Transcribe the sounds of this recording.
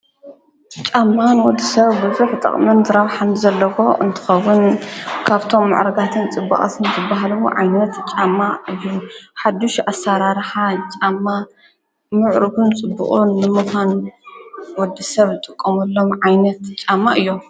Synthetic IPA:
t͡ʃʼamːanwɔd̪ːisɐβbɨzuħt̪ʼɐ̰χʼmɨnzɨɾɐβħanzɐlːɐko̞ʔɨnt̪ʰɨ̥xɐwːʊnkʰaβt̪ʰo̞mːa̰ʕɾɐɡat̪ʰɨnt͡sʼɨbːɐχʼɐ̰t̪ʰɨnzɨbaɦlwo̰ʕajnɐt̪t͡ʃʼamːaɨjːuħad̪uʃʔasaɾaɾħat͡ʃʼamːa | mɨʕɾɨɡunt͡sʼɨbːṵχʼuːɨmɨxʰʷan | wɔd̪ːisɐβzɨt̪ʼɨkʼːɐmɐlːo̞mʕajnɐt̪t͡ʃʼamːaʔɨjːo

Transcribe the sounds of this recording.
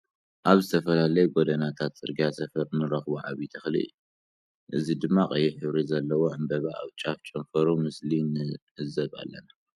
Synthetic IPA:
ʔaβzɨt̪ʰɐfɐlalɐjuɡod̪ɐnat̪ʰat̪t͡sʼɨ̰ɾɡiasɐfɐɾnɨɾɐxβuʕa̰βit̪ʰɐxlḭʔɨ̰jːu | ʔɨzid̪ɨmːakʼɐjɛħɨβɾizɐlːɐwo̞ʕɨmbɐβa̰ːβt͡ʃʼaft͡ʃʼɐmfɐɾumɨslinɨ | ɨzɐβa̰lːɐ̰na

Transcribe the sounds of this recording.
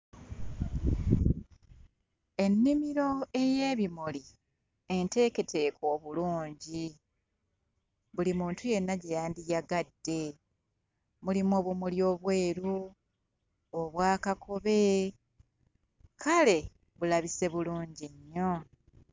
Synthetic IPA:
e̞nːimiɾo̞e̞je̞ːβimoli | ente̞ːke̞tʰe̞ːko̞ːβuluːɲɟi | βulimuːntuje̞nːaɟejaːndijaɡadːe̞ | mulimoːβumuljo̞ːβwe̞ːɾu | oβwaːkakʰo̞βe̞ | kʰale̞ | βulaβise̞βuluːɲɟiɲːo̞

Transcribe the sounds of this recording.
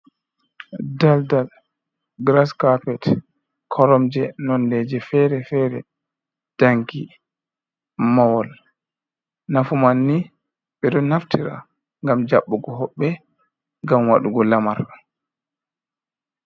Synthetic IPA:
daldal | ɡɾaskapɛt | kʰɔɾɔmd͡ʒɛnɔndɛd͡ʒɛfɛɾɛfɛɾɛ̰ | d̥aŋɡi | mawɔl | nafumanːi | ɓɛɗɔnːaftʰiɾa̰ | ŋɡamd͡ʒaɓːɔɡɔɦɔɓːɛ | ŋɡamwaɗuɡɔlamaɾ

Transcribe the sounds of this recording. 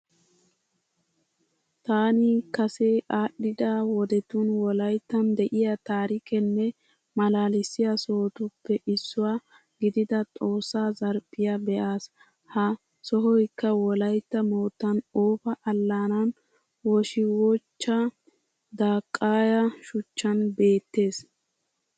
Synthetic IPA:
t̪aːnɪkɐseʔaːɗːɪd̪awɔd̪ɛt̪ʊnwɔlɐjt̪ːɐnd̪ɛʔɪjɐt̪aːɾɪkɛnːɛ | mɐlaːlɪsːɪjɐsohɔt̪ʊpːɛʔɪsːʊwaː | ɡɪd̪ɪd̪ɐt̪ʼo̞ːsːaːzɐɾpʼːɪjɐbɛʔaːs | hɐ | sɔɦɔjkːɐwɔlɐjt̪ːɐmoːt̪ːɐnoːfɐʔɐlːaːnɐn | wɔʃɪwɔt͡ʃːɐ | d̪aːkʼːaːjɐʃʊt͡ʃːɐnbe̞ːt̪ːe̞ːs

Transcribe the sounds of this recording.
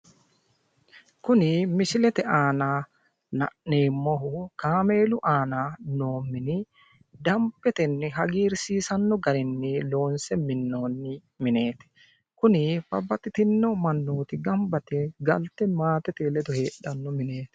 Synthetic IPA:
kʊnɪmɪsɪlɛt̪ɛaːnaː | nɐ̰ʔneːmːɔɦʊkaːme̞ːlʊʔaːnano̞ːmːɪnɪ | d̪ɐmpːɛt̪ɛnːɪɦɐɡiːɾsiːsɐnːɔɡɐɾɪnːɪlo̞ːnsɛmɪnːoːnːɪ | mɪne̞ːt̪ɛ̥ | kʊnɪb̥ɐbːɐt̪ːɪt̪ɪnːɔmɐnːoːt̪ɪɡɐmbɐt̪ɛɡɐlt̪ːɛmaːt̪ɛt̪eːlɛd̪ɔhe̞ːɗɐnːɔmɪneːt̪ɛ̥

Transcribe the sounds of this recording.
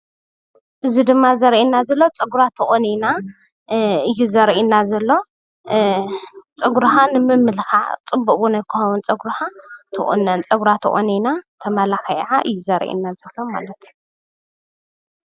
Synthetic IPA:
ʔɨzid̪ɨmːazɐɾʔinːazɐlːot͡sʼɐɡuɾat̪ʰɨʔʼonina | ɨjːuzɐɾʔinːazɐlːo̞ | t͡sʼɐɡɾhanɨmɨmːɨlxa̰t͡sʼɨbːukʼunɐkʰɨxɐwunt͡sʼɐɡɾhat̪ʰɨʔʼo̰nːant͡sʼɐɡuɾat̪ʰɨ̰χʼo̰ninat̪ʰɐmɐlaxɐj̰ʕaʔɨ̰jːuzɐɾʔḭnːazɐlːoma̰lɐt̪

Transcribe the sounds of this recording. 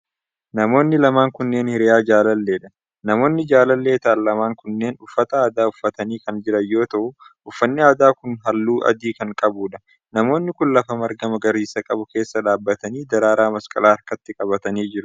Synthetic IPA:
nɐmo̞ːnːɪlɐmaːŋkʊnːe̞ːnhɪɾɪjaːd͡ʒaːlɐlːe̞ːᶑɐ̥ | nɐmo̞ːnːɪd͡ʒaːlɐlːe̞ːt̪ɐʔɐllɐmaːŋkʊnːe̞ːnʊfːɐt̪ɐaːd̪aːʊfːɐt̪ɐniːkɐnd͡ʒɪɾɐjːo̞ːt̪ɐʔʊʔʊfːɐnːɪaːd̪aːkʊnɦɐlːuːʔɐ̰d̪iːkɐŋkʼɐbuːᶑɐ̥ | nɐmo̞ːnːɪkʊnlɐfɐmɐɾɡɐmɐɡɐɾiːsɐkʼɐbʊke̞ːsːɐᶑaːbːɐt̪ɐniːd̪ɐɾaːɾaːmɐskʼɐ̰laːɐɾkɐt̪ːɪkʼɐβɐt̪ɐniːd͡ʒɪɾʊ

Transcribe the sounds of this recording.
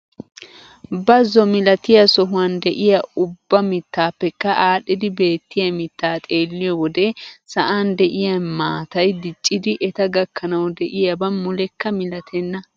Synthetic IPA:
bɐzːɔmɪlɐt̪ɪjɐsɔɦʊwɐnd̪ɛʔɪjɐʊbːɐmɪt̪ːaːpːɛkːɐʔaːɗːɪd̪ɪbe̞ːt̪ːɪjɐmɪt̪ːaːt̪ʼe̞ːlːɪjɔwɔd̪ɛsɐʔaːnd̪ɛʔɪjɐnmaːt̪ɐjd̪ɪt͡ʃʼːɪd̪ɪʔɛt̪ɐɡɐkʰːɐnɐwd̪ɛʔɪjɐbɐnmʊlɛkːɐmɪlɐt̪ʰɛnːɐ

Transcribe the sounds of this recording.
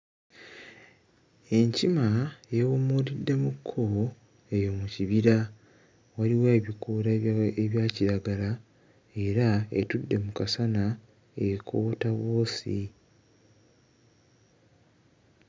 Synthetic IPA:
e̞ɲcimajewomulidːe̞mukʰːo | e̞jo̞muciβiɾa | waliwaeβikuɾaeβjaːciɾaɡala | e̞ɾaḛtudːe̞mukasana | ekʰo̞ːtawo̞ːsḭ

